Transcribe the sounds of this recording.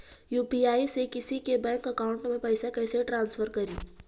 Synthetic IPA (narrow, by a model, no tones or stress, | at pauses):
juːpiaːisekɪsikebɛ̃ːŋkəkaʊ̃ɳʈmẽpɐɪsakɐːseʈɾãːnsfʰəɾkɐɾiː